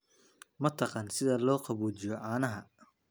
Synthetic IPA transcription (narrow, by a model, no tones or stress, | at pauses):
mɐt̪ʰɑqɑːnsɪðɐlɔːqɑβuːt͡ʃɪjɔʔaːnɐɦɐ